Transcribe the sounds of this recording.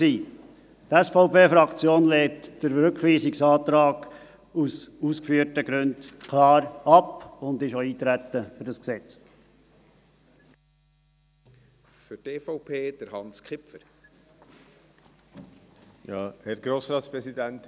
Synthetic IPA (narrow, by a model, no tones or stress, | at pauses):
siː | tæsfɔʊpeːfɾɑkt͡sjoːnlɛːtːəɾɾøkχʋiːsɪksɑːt̪ɾɑːɡ̥ | usuːskfyːəɾtəɡ̥ɾʉnd̥kʰlɑːɾɑpʊnd̪ɪʃoiːt̪ɾæt̪ːəfʏɾdɑsksɛt͡s | fʏɾteːfɔʊpʰeːd̥əɾhɑnskχɪpfəɾ | jɑːhɛɾɡ̥ɾoːsɾɑːt̪spɾɛsid̪ænt̪